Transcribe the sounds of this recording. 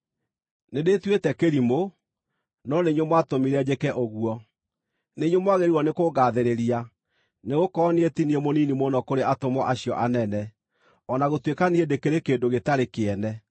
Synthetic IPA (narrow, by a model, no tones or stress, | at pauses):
nedetwetɛkeɾimo | nɔneɲomwatomiɾɛd͡ʑekɛʔoɣuɔ | neɲomwaɣeɾiwɔnekoɣaːðeɾeɾia | neɣokɔneetiniemoninimonɔkoɾeʔatomɔʔaɕiɔʔanɛnɛ | ɔnaɣotwekaniedekeɾekeːndoɣetaɾekeɛnɛ